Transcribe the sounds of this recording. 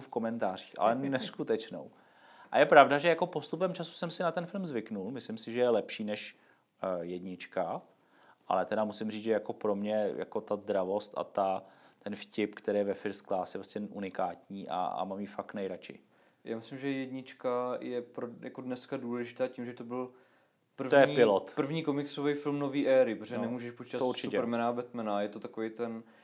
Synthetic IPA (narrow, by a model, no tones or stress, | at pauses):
fko̞mɛnt̪aːriːxʔa̰lɛnɛskut̪ɛt͡ʃno̰w | ʔajɛpɾavdaʒɛjako̞po̞st̪upɛmt͡ʃasu̥sɛmsɪnat̪ɛnfɪlmzvɪknulmɪslɪmsɪʒɛjɛlɛpʃiːnɛʃ | jɛdɲɪt͡ʃka | ʔa̰lɛt̪ɛɾamusɪmriːt͡sʒɛjako̞pɾo̞mɲɛja̰ko̞t̪azd̪ɾavo̞st̪ʔa̰t̪at̪ɛnfcɪpkt̪ɛɾeːjɛvɛfɪɾsklaːsjɛpɾoscɛʔunɪkaːt̪ɲiːʔa̰a̰mamjifaknɛjɾat͡ʃɪ̰ | ja̰ːmɪslɪmʒɛjɛdɲɪt͡ʃkajɛpɾojakodnɛskaduːlɛʒɪt̪aːcimʒɛt̪obɪl | pr̩vt̪ojɛɲiɪlot̪pr̩vɲiːkomɪksovɛjfɪlmnoviːʔɛːɾɪpɾozɛɛnɛmuːʒɛʃpot͡ʃi̥t̪at̪osuɾt͡ʃɪuɛɾmɛnabɛt̪mɛnajɛt̪ot̪akovejt̪ɛn